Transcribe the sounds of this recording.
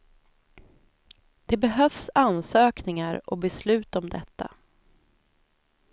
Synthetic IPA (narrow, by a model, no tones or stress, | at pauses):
d̪̥ɛbɛɦœfsansøːknɪŋaɾɔbɛslʉ̟ːt̪ɔmd̪ɛt̪ːa̰